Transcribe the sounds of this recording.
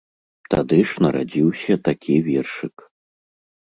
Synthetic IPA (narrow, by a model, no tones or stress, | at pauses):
t̪ad̪ɨʂnɐɾa̰d͡zʲiwsʲɐt̪akʲʰivʲɛrʂɨk